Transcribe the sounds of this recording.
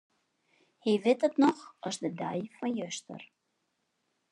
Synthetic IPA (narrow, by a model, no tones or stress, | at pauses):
hivɪtətnɔxɔsdədœjfɔnjøstə̰r